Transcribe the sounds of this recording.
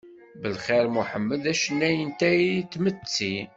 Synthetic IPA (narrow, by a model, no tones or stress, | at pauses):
bəlχeɾmuħəmːəðæʃənːæjənt̪æit̪ːmət͡sːi